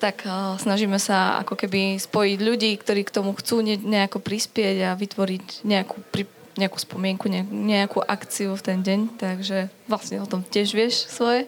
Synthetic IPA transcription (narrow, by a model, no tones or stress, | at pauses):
t̪aksnaʒiːmɛsaa̰kɔkɛbispɔjiɟʎuɟiːkt̪ɔɾiːkt̪ɔmuxt͡suːɲɛɲɛakɔpɾispɪɛɟaʋit̪ʋɔɾiɟɲɛakupɾi | ɲɛaku̥ːspɔmɪɛŋkuɲɛɲɛakuʔakt͡siuft̪ɛnɟɛɲt̪aɡʒɛʋlasɲɛɔt̪ɔmcɪɛʒʋɪɛʃsʋɔjɛ